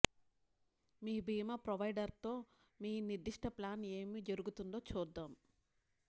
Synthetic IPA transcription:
miːbʱiːmɐpɾɐʋɐjɖɐɾt̪o̞ː | miːniɾd̪iʂʈʰɐplaːne̞ːmid͡ʒɐɾuɡut̪und̪o̞ːt͡ʃuːd̪ːaːm

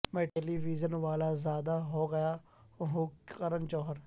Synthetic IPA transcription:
mɛ̃ːʈɛːliːʋiːzənʋaːlaːzjaːd̪aːɦoːɡəjaː | ɦʊkəɾənt͡ʃɔːɦəɾ

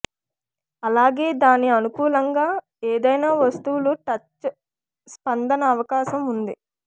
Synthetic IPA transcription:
ɐlaːɡe̞ːd̪aːniɐnukuːlɐŋɡaː | eːd̪ɐjnaːʋɐst̪uwuluʈɐt͡ʃː | spɐnd̪ɐnɐːʋɐkaːʃɐmund̪i

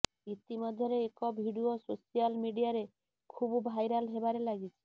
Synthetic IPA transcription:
it̪imɔd̪ʱjɔɾeːkɔbʱiɽiososijalmiɖijaɾe | kʰubbʱajɾalɦebaɾelaɡit͡ʃʰi̥

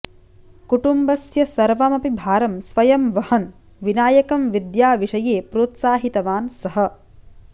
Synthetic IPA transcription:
kuʈumbɐsjɐsɐɾʋɐmɐpibʱaːɾɐmsʋɐjɐmʋɐhɐn | ʋinaːjɐkɐmʋid̪jaːʋiʂɐjeːpɾoːt̪saːɦit̪ɐʋaːnsɐɦɐ̆

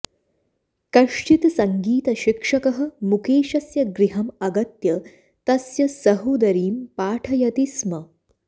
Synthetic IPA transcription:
kɐʂt͡ʃit̪sɐŋɡiːt̪ɐʃikʂɐkɐɦɐ̆mukeːʃɐsjɐɡɾiɦɐmɐɡɐt̪jɐ | t̪ɐsjɐsɐɦud̪ɐɾiːmpaːʈʰɐjɐt̪ismɐ

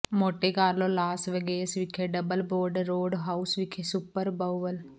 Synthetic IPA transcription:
moːʈekaːɾloːlaːsʋəɡeːsʋɪkʰːeɖəbəlboːɾɖɾoːɖɦaːusʋɪkʰesʊpəɾbəwʋəl

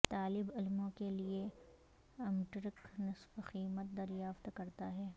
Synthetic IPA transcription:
t̪aːlɪbɪlmõkelie | ɐmʈɾɪknɐsfxiːmət̪̚d̪ɐɾjaːft̪kɐɾt̪aɦɛː

